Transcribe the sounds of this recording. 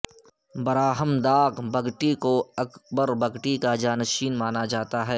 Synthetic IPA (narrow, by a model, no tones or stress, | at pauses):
bɐɾaːɦəmd̪aːɡbɐɡʈikoɐkbəɾbɐɡʈikad͡ʒaːnɐʃiːnmaːnad͡ʒaːt̪aɦɛː